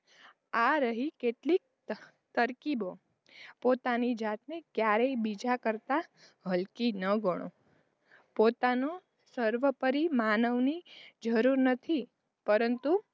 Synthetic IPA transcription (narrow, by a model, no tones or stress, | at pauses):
aɾəɦikeʈlik̚ | t̪əɾkibo | pot̪anid͡ʒat̪̚nekjaɾeibid͡ʒakəɾt̪a | ɦəlkinəɡʱəɽ̃õ̰ | pot̪ano | səɾʋəpəɾimanəʋnid͡ʒəɾuɾnət̪ʰi | pəɾənt̪u